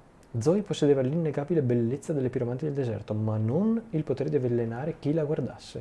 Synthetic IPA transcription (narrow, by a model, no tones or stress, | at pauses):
d̪zɔjposːed̪eːvalːinːeɡaːbilebelːet̪sːad̪elːepiɾomant̪id̪eld̪ezɛ̰rt̪omanːonilpot̪eːɾed̪ivelːenaːɾek̟ilaɡward̪a̰sːe